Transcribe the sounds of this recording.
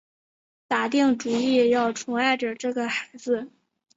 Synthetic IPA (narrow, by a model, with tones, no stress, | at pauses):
t̪a˨˩t̪i˥˩ŋʈ͡ʂu˨˩i˥˩jɑ˥˩ʊʈ͡ʂʰʊ˧˥ŋa˥˩ɪʈ͡ʂə˨˩ʈ͡ʂɤ˥˩ɡə˩xa˧˥ɪd͡zɹ̩˥˧